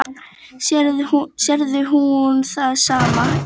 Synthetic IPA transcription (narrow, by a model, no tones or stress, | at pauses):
ɛɾsɛɾðʏɦunθasaːma